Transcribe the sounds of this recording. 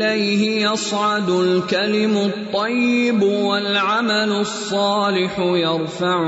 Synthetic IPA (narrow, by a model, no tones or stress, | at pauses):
lajhɪjɑsˤʕɑd̪ʊlkalɪmʊt̪ˤːɑjːɪbwalʕamalʊsˤːɑːlɪħʊjɑɾˤfaʕ